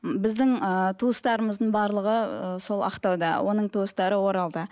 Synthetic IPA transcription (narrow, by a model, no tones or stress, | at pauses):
bɪzd̪ɪŋət̪ʰuəst̪ɑɾəməzd̪əɴbɑɾlˠəʁəso̞lˠɑ̰qt̪ɑwd̪ɑ̰wʔo̞nəɴt̪ʰuəst̪ɑɾəwo̞ɾɑlˠd̪ə